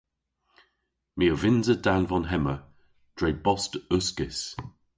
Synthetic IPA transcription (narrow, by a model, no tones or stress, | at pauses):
miːəvɪnzədalvɔnɦɛmə | d̥ɹejbɔstʊskɪs